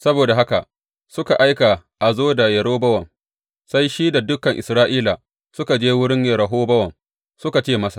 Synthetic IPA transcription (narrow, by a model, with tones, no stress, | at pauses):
sɐ˦boː˨da˨ɦa˦ka˨ʔ | sʊ˦ka˨ʔa˦jka˨ʔa˨zoː˦da˨jɐ˨ɽoː˦bɐ˦wɐ˨ŋ | sa˦jʃiː˦da˨dʊ˦kɐ˨ŋʔɪ˨sɾaː˦ʔiː˦la˨ | sʊ˦ka˨d͡ʒeː˦wʊ˦ɽɪ˦ɲjɐ˨ɾɐ˨ɦoː˦bɐ˦wɐ˨ŋ | sʊ˦ka˨t͡ʃeː˦˨mɐ˦sḁ˨